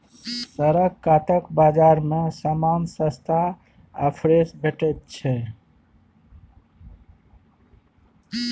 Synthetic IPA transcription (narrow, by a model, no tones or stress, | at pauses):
səɾəɡkat̪əkbad͡ʒaɾmesamansəst̪ʰa | ə̰pʰɾesbʱeʈɛt̪̚t͡ʃʰɛ